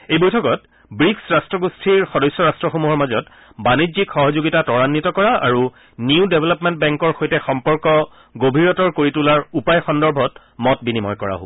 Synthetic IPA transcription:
ejbojtʰɔkɔt | bɹiksɹastɹɔɡustʰiɹxɔdɔjsːɔɹastɹɔxomuɦɔɹmazɔt | banizikxɔɦɔzoɡitatɔɹanːitɔkɔɹaa̰ɹu | niʊdebʱɛlɔpmɛntbɛŋkɔɹxojtɛxɔmpɔɹkɔ | ɡobʱiɹɔtɔɹkoɹitulaɹupajxɔndɔɹbʱɔt | mɔt̚binimɔjkɔɹa̰ɦo̰

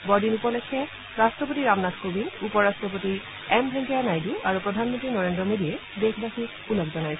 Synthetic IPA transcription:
bɔɹdinupɔlekʰɛ | ɹastɹɔp̬otiɹamnatʰkobinupɔɹastɹɔp̬oti | ɛmbʱɛŋkianajduaɹupɹɔdʱanmontɹinɔɹendɹɔmodiɛdekʰbaxʰi | ulɔkzɔnajsʰɛ

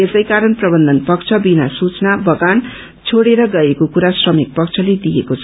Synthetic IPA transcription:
esʌjkaɾʌnprʌbʌnd̪ʱʌnpʌk̚t͡sʰʌbinasut͡snabʌɡan | t͡sʰoɽeɾʌɡʌekokuɾasrʌmik̚pʌk̚t͡sʰʌled̪ijekot͡sʰʌ

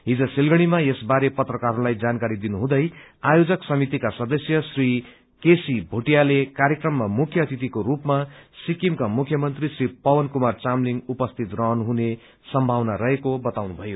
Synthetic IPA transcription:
ɦid͡zʌsilɡʌɽ̃imaesbaɾepʌt̪rʌkaɾũlajd͡zankaɾid̪inuɦũd̪ʌjajod͡zʌksʌmit̪ikasʌd̪ʌsjʌsri | kesibʱoʈijalekaɾjekrʌmːamukʰjʌt̪it̪ikoɾupmasikimkamukʰjʌmʌnt̪risripʌwʌnkumart͡samliŋɡupʌst̪ʰit̪rʌɦʌnɦune | sʌmbʱawnaɾʌɦekobʌt̪awnubʱʌjo

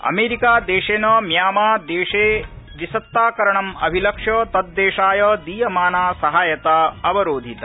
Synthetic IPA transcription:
ɐ̰meːɾikaːd̪eːʂeːnɐmjaːmaːd̪eːʂeːʋisɐt̪ːaːkɐɾɐɳɐmɐ̰bʱilɐkʂjɐt̪ɐd̪ːeːʃaːjɐd̪iːjɐmaːnaːsɐɦaːjɐt̪aːɐbɐɾoːd̪ʱit̪ɐ

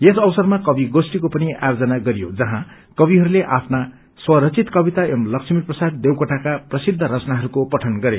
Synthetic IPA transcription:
jesʌbʌsʌrmakʌbiɡosʈikopʌnia̰jod͡zʌnaɡʌɾijod͡zʌɦã | kʌbiɦʌɾuleʔapʰna | swʌɾʌt͡sit̪kʌbit̪aemlʌksʰʌmirprʌsad̪d̪ewkʌʈakaprʌsid̪ʱːʌɾʌt͡snaɦʌɾukopʌʈʰʌnɡʌɾe

